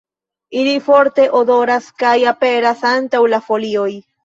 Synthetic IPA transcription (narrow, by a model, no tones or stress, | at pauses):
ilifo̞ɾte̞ʔo̞do̞ɾaskajape̞ɾasantawlafo̞lio̞j